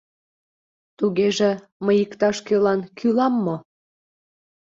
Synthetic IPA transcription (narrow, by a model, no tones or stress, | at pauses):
t̪uɣeʒe | məjikt̪ɑʃkelɑnkʰylɑmːo